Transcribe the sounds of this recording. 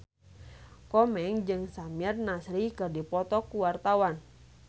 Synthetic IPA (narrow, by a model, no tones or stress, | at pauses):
kɔmɛŋd͡ʒɨŋsamiɛrnasɾikɨrdipɔt̪ɔkuwart̪awan